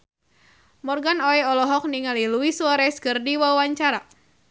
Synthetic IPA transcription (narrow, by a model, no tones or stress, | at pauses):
mɔrɡanɔɛɔlɔɦɔk̚niŋaliluisuaɾɛskərdiwawaɲt͡ʃaɾa